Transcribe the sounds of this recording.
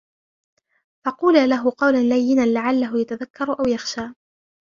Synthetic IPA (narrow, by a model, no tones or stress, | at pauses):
fɑquːlalaɦʊqɑwlanlajːɪnanlaʕalːaɦʊjat̪aðakːɑɾˤʔawjaxʃaː